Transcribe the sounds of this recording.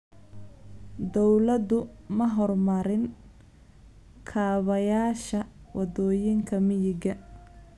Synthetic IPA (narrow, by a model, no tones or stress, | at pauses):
d̪ɔwlɐd̪ʊmɐɦɔrmɐɾɪn | kʰaːβɐjaːʃɐwʔɑd̪ɔːjɪŋkʰɐmɪjɪɡɐ